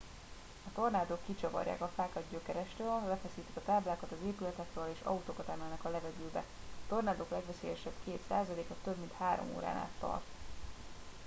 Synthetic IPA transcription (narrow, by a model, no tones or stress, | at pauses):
ɒt̪o̞rnaːd̪okːit͡ʃɒvɒ̰rja̰ːkɒfaːkɒd̪ɟøkɛɾɛʃt̪øːlbɛfɛsiːt̪i̥kɒt̪aːblaːkɒt̪ɒzeːpylɛt̪ɛkɾøːleːʃɒ̰ut̪oːkɒt̪aːnɛlnɒkɒlɛvɛɟylbɛ̰ | t̪o̞rnaːd̪oklɛɡʋɛseːjɛʃɛbkeːt̪saːzɒleːkɒt̪øbmint̪haːɾo̰mo̰ːɾa̰ːna̰ːt̪ːɒ̰rt̪